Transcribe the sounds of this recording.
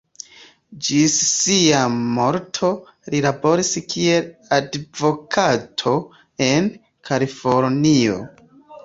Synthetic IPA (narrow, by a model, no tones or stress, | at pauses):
d͡ʒissiamo̞ɾtʰo̞ | lilabo̞ɾiskie̞ladvo̞kʰatʰo̞ | e̞n | kʰalifo̞ɾnio̞̰